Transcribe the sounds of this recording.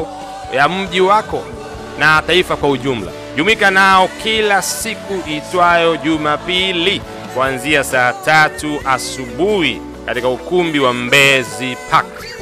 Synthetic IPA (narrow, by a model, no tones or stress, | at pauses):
jam̩ʄiwakɔ | nataifakwauʄum̩la̰ | ʄumikanaɔkilasikuʔitwajɔʄumapili | kuanziasaːtatuʔasuɓuhḭ | katikaukumbiwambɛzipʰak